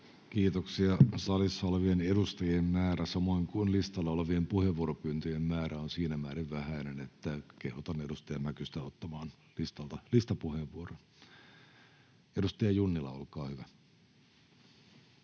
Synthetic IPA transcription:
kiːt̪oksiɑsɑlisːɑoleʋienedust̪ɑjemmæːɾæsɑmoiŋkunlist̪ɑlːɑoleʋiempuheʋːuoɾopyːnt̪yjemmæːɾæonsiːnæmæːɾiʋʋæhæinenet̪ːækehut̪ɑnedust̪ɑjɑmækyst̪æot̪ːɑmɑːn | list̪ɑlt̪ɑlist̪ɑpuheʋːuoron | edust̪ɑjɑjunːilɑ̰olkɑːhyʋæ

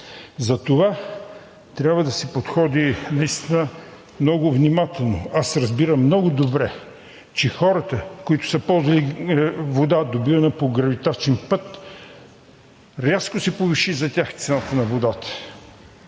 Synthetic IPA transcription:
zɐt̪ova | t̪ɾʲabvəd̪ɐsɛpot̪xɔd̪inɐist̪inə | mnɔɡʊvnimat̪ɛlˠno̰asɾɐzbiɾɐmːnɔɡʊd̪obɾɛ | t͡ʃɛxɔɾət̪əkoit̪ʊ̥səpɔlˠzvɐlivod̪ad̪obivənɐpoɡɾɐvit̪at͡ʃɛnpɤt̪ | ɾʲaskʊsɛpoviʃizɐt̪ʲaxt̪sɛnat̪ənɐvod̪at̪ə̥

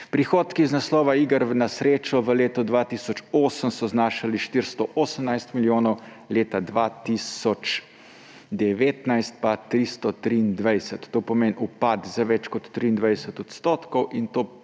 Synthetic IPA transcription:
pɾixoːt̪kiznaslɔːʋaiːɡəɾnasɾeːt͡ʃɔʋəleːt̪ɔd̪ʋaːt̪isɔt͡ʃoːsəmsɔznaːʃaliʃt̪iɾst̪ɔʔoːsəmnajst̪miljoːnɔw | leːt̪ad̪ʋat̪isɔt͡ʃ | d̪ɛʋeːt̪najst̪̚pat̪ɾist̪ɔt̪ɾiːnd̪ʋajsət̪ːoːpɔmeːnʔupat̪zaʋɛt͡ʃkɔt̪ːɾiːnd̪ʋajd̪sət̪ɔt̪st̪oːt̪kɔwʔint̪oː

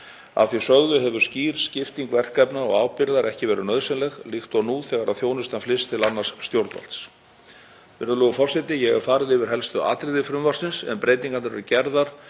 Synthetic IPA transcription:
a̰θisœɣðʏɦɛvʏ̥sciːɾ̥scɪft̪iŋkvɛr̥kɛpnaɔ̰ɣaːwpɪɾðaɾʔɛhcɪvɛːɾʏnœðsɪnlɛɣlixt̪ɔnuθɛːɣaɾaðθjoːwnʏst̪anflɪst̪ʰɪlanːaɾ̥sːt̪jowɾt̪va̰l̥t̪s | vɪɾʏlʏɣʏfɔr̥sɛt̪ɪjɛɣḁfaːɾɪðɪvɪɾ̥ɦɛlst̪ʏʔa̰ːt̪ɾɪðɪfɾʏmvar̥sɪnsɛ̰mpɾeːjt̪iŋkanaɾvɛɾʏcɛɾðaɾ̥

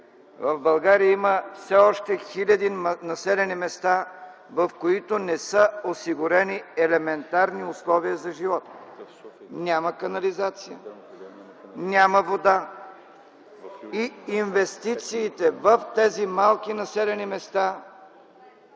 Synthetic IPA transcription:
vəvbɐlˠɡaɾijəiməfsɛɔʃt̪ɛxilʲɐd̪inɐsɛlɛnimɛst̪a | vɐfkoit̪onɛsəosiɡʊɾɛniɛlɛmɛnt̪aɾniʊslˠɔviəzɐʒivɔt̪ | nʲaməkɐnɐlizat̪sijə̰ | nʲaməvod̪a | iinvɛst̪it̪siːt̪ɛvəft̪ɛzimalˠkinɐsɛlɛnimɛst̪a

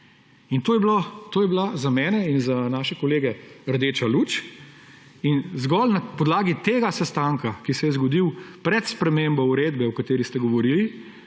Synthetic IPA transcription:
int̪oːjɛblot̪oːjɛblazamɛːnɛinzanaːʃɛkɔleːɡɛəɾd̪eːt͡ʃalut͡ʃ | inzɡɔlnapɔd̪laːɡit̪eːɡasɛst̪aŋkakisɛjɛzɡɔd̪iwpɾɛt̪spɾɛmembɔuɾeːd̪bɛɔkat̪eːɾist̪ɛɡɔʋɔɾili

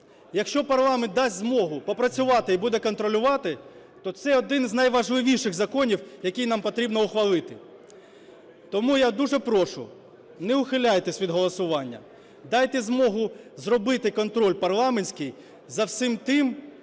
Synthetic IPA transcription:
jɐkʃt͡ʃɔpɐrlˠɑment̪ːɑsʲtʲzmɔɦʊpɔpɾɐt͡sʲʊʋɑt̪ɪibud̪ɛkɔnt̪ɾɔlʲʊʋɑt̪ɪ | t̪ɔt̪sɛɔd̪ɪnzʲnɐjʋɐʒlˠɪʋʲiʃɪɣzɐkɔnʲiwjɐkʲijnɑmpɔt̪ɾʲibnɔʊxʋɐlˠɪt̪ɪ | t̪ɔmujad̪uʐɛpɾɔʃʊ̰ | nɛʊxɪlʲajt̪esʲʋʲid̪ɦɔlˠɔsʊʋɑnʲːɐ̰ | d̪ɑjt̪ɛzmɔɦʊzrɔbɪt̪ɪkɔnt̪ɾɔlʲpɐrlˠɑmenʲsʲkɪj | zɐwsɪmt̪ɪm

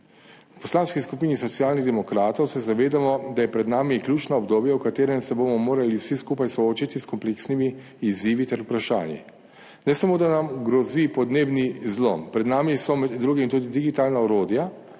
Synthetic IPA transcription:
pɔslaːnskiskupiːnisɔt̪sijaːlniɣd̪ɛmɔkɾaːt̪ɔwsɛzaʋeːd̪amɔd̪ajɛpɾɛd̪naːmikljuːt͡ʃnaɔbd̪oːbjawkat̪eːɾɛmsɛbomɔmoːɾaliwsiskuːpajsɔoːt͡ʃit̪iskɔmpleksnimiː | ziːʋit̪ɛɾupɾaʃa̰ːnjḭ | nɛsamoːd̪anamɡɾɔzipɔd̪neːbnizlo̰mpɾɛd̪naːmisɔmɛd̪ːɾuːɡimt̪uːd̪id̪iɡit̪aːlnaɔɾoːd̪ja

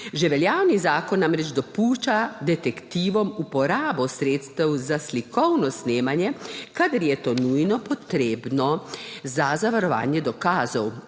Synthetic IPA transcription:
ʒɛʋɛljaːwnizaːkɔnːamɾɛd͡ʒd̪ɔpuːʃt͡ʃad̪ɛt̪ɛkt̪iːʋɔmupɔɾaːbɔsɾeːt̪st̪ɛwzaslikʰɔwnɔsneːmanjɛkad̪ɐɾjɛt̪oːnujnɔpɔt̪ɾeːbnɔzazaʋaɾɔʋa̰ːnjɛd̪ɔkaːzɔw

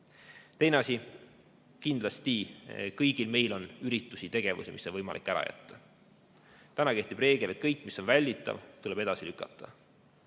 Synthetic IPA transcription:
t̪e̞jneɑsi | kind̪lɑst̪ikɤjɡ̥ilme̞jlo̞nyɾit̪ːˑusit̪e̞ɡ̥e̞vṵsimisːonvɤjmɑ̰likːˑæɾɑ̰jæ̰t̪ːɑ̥ | t̪ænɑke̞ht̪ib̥re̞ːɡ̥ele̞t̪̚kɤjkːˑmiso̞nvælʲːit̪ːˑɑ̰vt̪ule̞b̥e̞d̪ɑsilykːˑɑt̪ːˑɑ

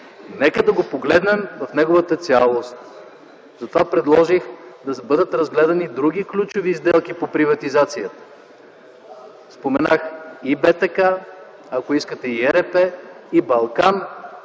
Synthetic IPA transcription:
nɛkəd̪ɐɡopoɡlɛd̪nɛmvɐfnɛɡovət̪ət̪sʲalˠost̪ | zɐt̪ovapɾɛd̪lˠɔʒixd̪ɐbɤd̪ət̪ɾɐzɡlɛd̪ɐnid̪ɾuɡ̟iklʲut͡ʃovizd̪ɛlˠkipopɾivɐt̪izat̪sijət̪ə̥ | spomɛnaxibɛt̪ɛka | akoiskət̪ɛiɛɾɛpɛibɐlˠkan

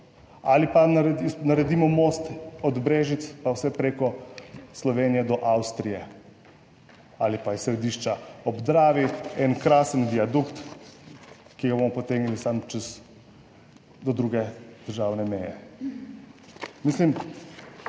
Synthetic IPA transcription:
alipanaɾɛd̪inaɾɛd̪iːmɔmost̪ɔd̪bɾeːʒit̪spawsɛpɾekɔslɔʋeːnijɛd̪ɔʔawst̪ɾijɛ | alipaisːɾɛd̪iːʃt͡ʃaɔbd̪ɾaːʋiɛnkɾaːsənd̪iad̪ukt̪ | kiɡabomɔpɔt̪eɡnilisamt͡ʃɛz | d̪ɔd̪ɾuːɡɛd̪̥əɾʒaːwnɛmɛːjɛ̰ | mislim

